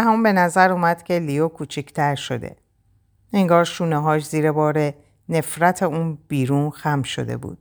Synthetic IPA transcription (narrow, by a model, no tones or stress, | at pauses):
ɦæmumbe̞næzæɾuːmæd̪̥cʲʰe̞lijokʰuːt͡ʃʰicʰt̪ʰæɾʃo̞̰d̪ḛ | e̞ŋɡɒːɾʃuːneɦɒːʃziːɾebɒːɾe̞ | ne̞fɾæt̪ʰe̞uːnb̥iːɾuːnxæmʃo̞̰d̪e̞̰bṵːd̪̥̚